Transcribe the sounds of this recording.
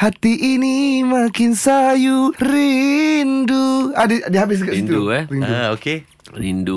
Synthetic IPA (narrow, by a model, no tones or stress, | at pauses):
hat̪iʔinimakɪnsajuɾinduadiadiɦabɪs̬ɡaʔsint̪uurinduoke | ɾindu